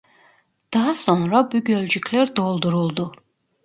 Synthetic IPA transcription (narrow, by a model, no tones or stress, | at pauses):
d̪̥ɑɦsɔŋɾɑbyɡʲøld͡ʒykʲʰlɛɾd̪olˠd̪uɾulˠd̪u